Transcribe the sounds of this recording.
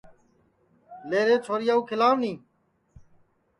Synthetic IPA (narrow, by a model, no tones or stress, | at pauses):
leːɾeːt͡ʃʰoːɾɪjaːuːkʰɪlaːnnĩː